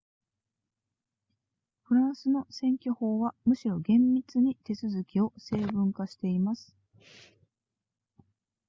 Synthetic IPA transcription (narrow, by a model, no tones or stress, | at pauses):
ɸɯ̟ɾãɰ̃sɨno̞sẽ̞ŋkʲo̞ho̞ːβamɯ̟ɕiɾo̞ɡẽ̞mːʲit͡sɨɲ̟it̪e̞t͡sɨzɨkʲio̞se̞ːbɯ̟̃ŋkaɕi̥t̪e̞imasɨ̥